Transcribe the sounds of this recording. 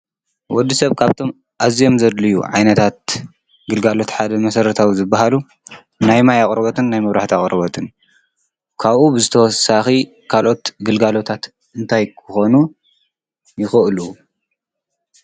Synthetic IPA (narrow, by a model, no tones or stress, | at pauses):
wɔd̪ːisɐβkʰaβt̪ʰo̞m | ʔazijo̞mzɐd̪lɨjṵʕa̰jnɐt̪ʰat̪̚ | ɡɨlɡalo̞t̪ħad̪ɐmɐsɐɾɐt̪ʰawizɨbːaɦalu | najmajaχʼɾɐβɐt̪ʰɨnːajmɐβɾaħt̪iaχʼɾɐβɐt̪ʰɨn | kʰaβʔubɨzɨt̪ʰɐwɔsaxi | kʰalʔo̞t̪ɡɨlɡalo̞t̪ʰat̪ | ɨnt̪ʰajkʰɨxo̞nu | jɪxɨʔɨlu